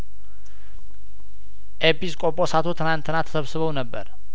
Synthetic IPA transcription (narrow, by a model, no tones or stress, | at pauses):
ʔepːiskʼopʼːosat̪ʰo̞t̪ʰɨnant̪ʰɨnat̪ʰə̥səβsɨβəwnəbːə̰ɾ